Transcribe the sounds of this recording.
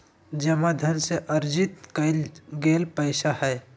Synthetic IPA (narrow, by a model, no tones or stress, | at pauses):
d͡ʒɐmad̪ʱənseʔəɾd͡ʒɪt̪kəlɡeːlpəɪʃahɛː